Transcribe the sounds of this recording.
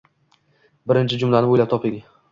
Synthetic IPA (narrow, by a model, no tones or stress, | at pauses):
bɪɾɪnt͡ʃʰɪd͡ʒʊmlanɪbojlap̚t̪ʰɒpeɡʲɪ